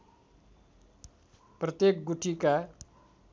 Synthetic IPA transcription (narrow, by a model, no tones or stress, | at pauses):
prʌt̪jek̚ɡuʈʰika